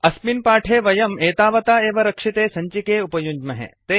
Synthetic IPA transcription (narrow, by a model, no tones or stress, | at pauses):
ɐsminpaːʈʰeːʋɐjɐmeːt̪aːʋɐt̪aːeːʋɐɾɐkʂit̪eːsɐɲt͡ʃikeːupɐjuɲd͡ʒmɐɦḛt̪eː